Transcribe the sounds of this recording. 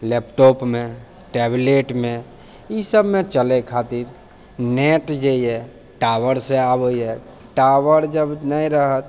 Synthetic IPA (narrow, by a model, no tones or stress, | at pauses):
lɛpʈɔpmẽ | ʈɛbleʈmẽ | isəbmet͡ʃəlekʰat̪iɾ | neʈd͡ʒaiɛ | ʈaʋəɾsẽabəiɦɛ | ʈaʋəɾd͡ʒəbnəiɾəɦət̪